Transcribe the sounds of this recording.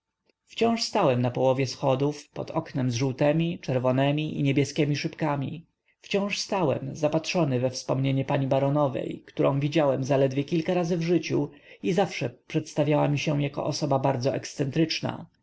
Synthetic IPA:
ft͡ɕɔ̃w̃ʂst̪awɛmnapɔwɔvʲjɛsxɔd̪ufpɔ̰t̪ɔknɛmzʐuwt̪ɛmʲit͡ʂɛɾvɔnɛmʲiʔḭɲɛbʲjɛskʲɛmʲiʂɘpkamʲḭ | ft͡ɕɔ̃w̃ʂst̪awɛ̰mzapatʂɔnɘvɛfspɔmɲeɲɛpaɲibaɾɔnɔvɛ̰jkt̪uɾʔɔ̰̃w̃vʲid͡ʑawɛmzalɛd̪vʲjɛkʲilkaɾazɘvʐɘt͡ɕuizafʂɛpʂɛt̪st̪avʲjawamʲiɕɛjakɔ̰ʔɔsɔbabaɾd̪zɔʔɛ̰kssɛnt̪ɾɘt͡ʂna̰

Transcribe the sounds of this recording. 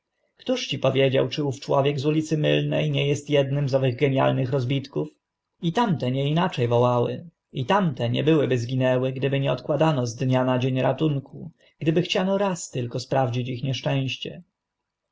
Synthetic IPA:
kt̪uʂt͡ɕipɔvʲjed͡ʑawt͡ʂɘuft͡ʂwɔvʲjɛɡzulʲit̪sɘmɘlnɛjɲɛjɛst̪jɛd̪nɘmzɔvɘɣɡɛɲja̰lnɘxɾɔzbʲit̪kuf | it̪amt̪ɛɲɛinat͡ʂɛjvɔwawɘ̰ | it̪amt̪ɛɲɛ̰bɘwɘbɘzɡʲinɛwɘɡd̪ɘbɘɲɛɔt̪kwad̪anɔzd̪ɲanad͡ʑeɲɾat̪uŋku | ɡ̥d̪ɘbɘxt͡ɕanɔɾast̪ɘlkɔspɾavd͡ʑit͡ɕixɲɛʂt͡ʂɛ̃w̃ɕt͡ɕɛ

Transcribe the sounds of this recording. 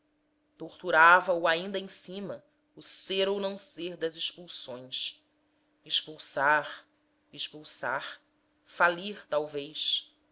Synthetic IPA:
t̪oχt̪uɾavɐuaĩnd̪ɐẽj̃sĩmɐ | ʊseɾownɐ̃w̃seɾd̪ɐzɪʃpuwsõj̃s | eʃpuwsaɾ | iʃpuwsa̰χ | faliɾt̪awvejʃ

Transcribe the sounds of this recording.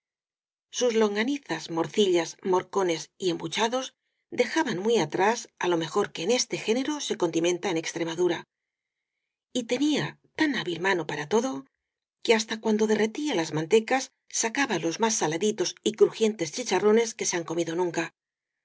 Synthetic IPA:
suzlo̞ŋɡaniθazmo̞ɾθiʎazmo̞ɾko̞ne̞siembut͡ʃaðo̞z | d̪e̞xaβanmwiat̪ɾasalo̞me̞xo̞ɾke̞ːne̞st̪e̞xe̞ne̞ɾo̞se̞ko̞nd̪imẽ̞nt̪aene̞kst̪ɾe̞maðuɾa | it̪e̞nia | t̪anaβilmano̞paɾat̪o̞ðo̞ | ke̞ast̪akwand̪o̞ðe̞re̞t̪ialazmant̪e̞kasː | akaβalo̞zmasːalaðit̪o̞sikɾuxje̞nt̪e̞st͡ʃit͡ʃaro̞ne̞ske̞se̞aŋko̞miðo̞nũŋka

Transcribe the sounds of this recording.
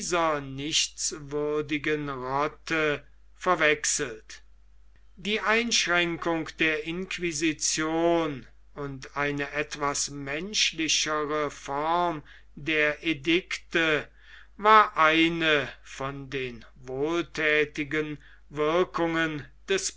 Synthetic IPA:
zɐnɪʃt͡svʏɐdɪɡənʁɔtʰə | fɛɐvɛksəl̩t | diːʔaɪnʃʁɛŋkʊŋkd̥eːɐʔɪnkvizit͡sjoːn | ʊntaɪnəʔɛtv̥asmɛnʃlɪɕəʁəfɔʁm | deːɐʔedɪktə | vaːɐʔaɪnəfɔndeːn | voːltʰɛːtɪɡən | vɪɐkʊŋənd̥ɛs

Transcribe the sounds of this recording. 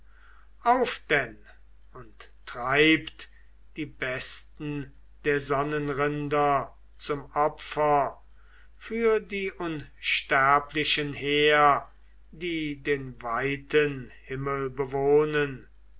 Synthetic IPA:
ʔaʊfd̥ɛn | ʊnttʁaɪpt | d̥iːbɛstn̩ | d̥eːɐzɔnənʁɪndɐ | t͡sʊmɔpfɐ | fyːɐdiːʔʊnʃtæɐplɪʃənheːɐ | diːdeːnvaɪtʰənhɪməlbəvoːnən

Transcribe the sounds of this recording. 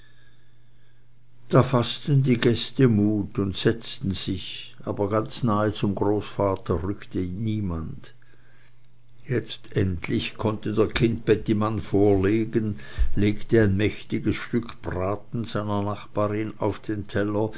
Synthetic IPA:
d̥aːfastəndiːɡɛstəmuːtʊntsɛt͡stn̩z̥ɪçʔa̰ːbɐɡant͡snaːət͡sʊmɡʁoːsfaːtʰɐʁʏktəniːmand | jɛt͡stʔɛntʰlɪçkʰɔntədeːɐkʰɪnt̚b̥ɛtimanfoːɐleːɡənleːktəaɪnmɛçtɪɡəsʃtʏkʰb̥ʁaːtn̩z̥aɪnɐnaχb̥aːʁɪnaʊfd̥eːntʰɛlɐ

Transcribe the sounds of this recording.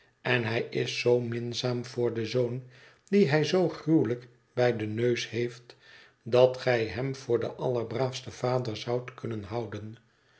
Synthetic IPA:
ɛnɦɛjɪsːowmɪnzaːmvʊːɹdəzown | d̥iɦɛjzowχruwlək | bɛjdənøɥshejft | dɑtχɛjɦɛmv̥ʊːɹdəʔɑləɹbraːfstəv̥aːdəɹzɑwtkɵnənɦɑwdən

